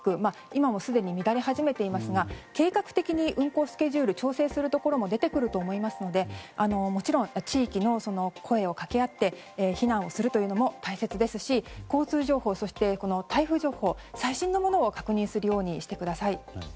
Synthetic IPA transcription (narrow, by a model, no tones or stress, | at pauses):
kɯ̟ma | imamo̞sɨd̪e̞ɲ̟imʲid̪aɾe̞ɦaʑime̞t̪e̞imasɨɡake̞ːkakɯ̟̥t̪e̞kʲiɲ̟iʔɯ̟̃ŋko̞ːsɨ̥ke̞ʑɨːɾɯ̟t͡ɕo̞ːse̞ːsɨɾɯ̟t̪o̞ko̞ɾo̞mo̞d̪e̞t̪e̞kɯ̟ɾɯ̟t̪o̞ːmo̞imasɨno̞d̪e̞ano̞mo̞t͡ɕiɾõ̞ŋ̃t͡ɕiːkʲino̞so̞no̞kʰo̞e̞o̞kake̞at̪ːe̞ | çinãɰ̃o̞sɨɾɯ̟t̪o̞jɯno̞mo̞t̪aise̞t͡sɨd̪e̞sɨɕiko̞ːt͡sɨːʑo̞ːho̞ːso̞ɕi̥t̪e̞ko̞no̞t̪aiɸɯ̟ʑo̞ːho̞ːsaiɕĩnːo̞mo̞no̞ːkḁkɯ̟ɲ̟ĩɰ̃sɨɾɯ̟jo̞ːɲ̟iɕi̥t̪e̞kɯ̟d̪asai